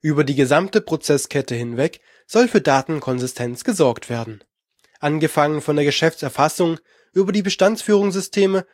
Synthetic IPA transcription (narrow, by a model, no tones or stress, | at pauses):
ʔyːbɐdiːɡəzamtəpʁ̥ot͡sɛskʰɛtəhɪnvɛk | z̥ɔlfyːɐdaːtn̩kʰɔnzɪstʰɛnt͡sɡ̥əzɔɐktv̥eːɐdn̩ | ʔanɡəfaŋənfɔndeːɐɡəʃɛft͡sɛɐfasʊŋ | ʔyːbɐdiːbəʃtant͡sfyːʁ̞ʊŋzʏstʰeːmə